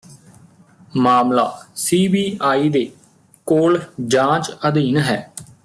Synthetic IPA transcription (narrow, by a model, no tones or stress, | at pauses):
maːmla̰ːsiːbiːaːiːd̪eː | koːld͡ʒãːt͡ʃəd̪iːnɦɛː